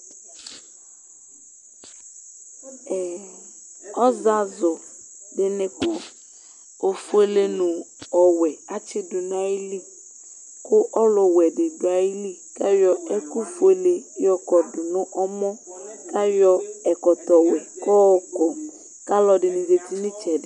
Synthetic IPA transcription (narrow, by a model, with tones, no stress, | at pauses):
ɛ˨ | ɔ˦za˦zɔ˨ | ɖɪ˨nẽ˨kɔ˨ | o˨fu˦e˦le˦nʊ̃˨ | ɔ˨wɛ˨a˦t͡ʃɪ˦dʊ˨n˦a˦ji˦li˦ | kʊ˦ʔɔ˦lɔ˨wɛ˨dɪ˨dʊ˨a˨ji˦li˦ | ka˦jɔ˨ɛ˦ku˦fu˦e˨le˦jɔ˦kɔ˨dʊ˨nʊ̃˦ʔɔ˦mɔ̃˦ka˦jɔ˦ɛ˨kɔ˨t̪ɔ˨wɛ˨kɔ˦wɔ˦kɔ˨ | ka˦lɔ˨ɖɪ˨nɪ̃˨ze˨t̪i˦nɪ̃˦t͡ʃɛ˨dɪ˨